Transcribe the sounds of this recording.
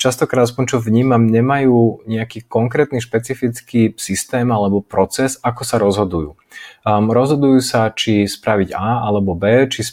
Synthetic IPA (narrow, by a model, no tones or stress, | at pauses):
t͡ʃast̪ɔkɾad̪as̬pɔɲt͡ʃɔʋɲiːmamɲɛmajuːɲɛakiːkɔŋkɾɛːt̪niʃpɛt͡sifit͡skiːsist̪ɛːmalɛbɔpɾɔt͡sɛzakɔsaɾɔzɦɔd̪ujṵː | ɾɔzɦɔd̪ujuːsat͡ʃispɾaʋiɟaːalɛbɔbɛːt͡ʃis